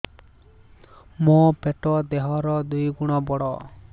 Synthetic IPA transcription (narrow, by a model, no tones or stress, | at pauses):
mopeʈɔd̪eɦɔɾɔd̪ujɡuɽ̃ɔbɔɽɔ